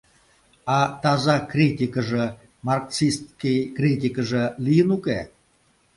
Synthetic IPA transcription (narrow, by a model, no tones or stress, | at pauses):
ɑt̪ɑzɑkrʲit̪ʲikəʒə̆ | mɑrksist̪kʲijkrʲit̪ʲikəʒə̆lijənuke